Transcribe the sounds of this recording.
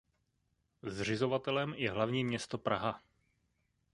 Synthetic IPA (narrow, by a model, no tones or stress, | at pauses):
zr̝ɪzo̞vat̪ɛlɛmjɛɦlavɲiːmɲɛst̪o̞pɾaɦa